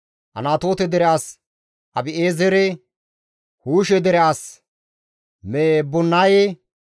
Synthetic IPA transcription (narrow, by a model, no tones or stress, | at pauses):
ʔɐ̰naːt̪o̞ːt̪ɛd̪ɛɾɛaːs | ʔɐbɪʔeːzɛɾɛ | huːʃɛd̪ɛɾɛaːs | mebɔnːaːje